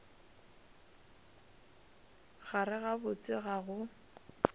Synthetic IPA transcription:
ɣarɪɣabʊt͡sʼɪɣaɣʊ

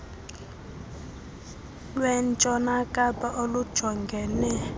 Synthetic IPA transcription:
lwɛnt͡ʃʼɔnakʼapʼaʔolud̥ʒ̥ʱɔŋɡʱɛnɛ

